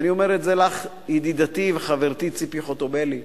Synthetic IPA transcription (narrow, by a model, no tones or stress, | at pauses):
nio̞meʁetzelaχ | jid̪id̪at̪iveχaveʁt̪it͡sipiχot̪obeli